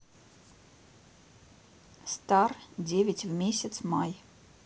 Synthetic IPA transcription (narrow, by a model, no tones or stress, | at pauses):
st̪ardʲevʲɪtʲvmʲesʲɪt̪smaj